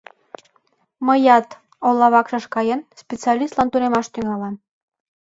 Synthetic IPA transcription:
məjɑt̪ | olːɑβɑkʃɑʃkɑjenspʲet͡seɑlʲist̪lɑnt̪uɾemɑʃt̪yŋɑlɑn

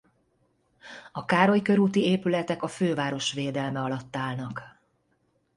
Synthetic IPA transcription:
ɒkaːɾojkø̞ɾuːt̪ieːpylɛt̪ɛkɒføːvaːɾo̞ʃʋeːd̪ɛlmɛɒlɒt̪ːaːlnɒk

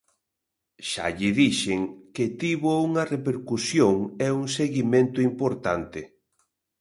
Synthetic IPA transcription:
ʃa̰ʎɪðiʃɪŋkɪt̪iβouŋɐrepeɾkusjoŋɛuŋseɣimẽnt̪ʊimpoɾt̪ant̪ɪ

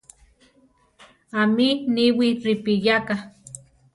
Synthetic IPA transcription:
aminiwiripijaka

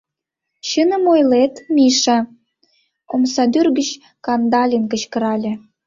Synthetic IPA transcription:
ɕənə̆mojlet̪mʲiʃɑ | omsɑd̪yrɣət͡ɕ | kɑnd̪ɑlʲinkə̆t͡ɕkə̆ɾɑlʲĕ

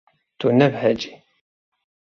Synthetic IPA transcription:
t̪unːævhæd͡ʒi̥

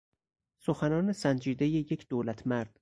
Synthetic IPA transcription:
soxænɒːne̞sænd͡ʒiːd̪eje̞je̞cʰd̪oːlæt̪ʰmæɾd̪̥

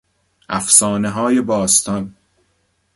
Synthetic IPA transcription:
ʔæfsɒːneɦɒːje̞bɒːst̪ʰɒn

